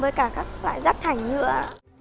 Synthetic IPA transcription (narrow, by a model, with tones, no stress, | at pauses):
vəː˨˩jkaː˧˩kaː˦˥k̚lwa̰ː˧˨jzaː˦˥t̚t̪ʰa˨˩jŋɲɨ̰˧˩ə